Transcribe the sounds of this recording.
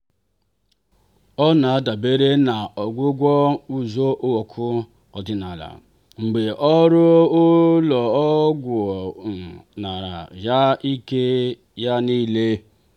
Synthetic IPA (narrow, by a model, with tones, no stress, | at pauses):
ɔ˦na˨a˦da˨be˦ɾe˦na˨ɔ˨ɡʷʊ˦ɡʷɔ˦u˨zo˦ʔo˦wo˨kʰʊ˦ | ɔ˨dɪ˨na˨ɾa̰˨ | ŋ͡m̩˨ɡ͡be˨ʔɔ˦ɾʊ˦o˦lɔ˨ɔ˦ɡʷo˨m̩˨na˨ɾa̰˨ja˦i˦ke˦ | ja˦ni˦le˦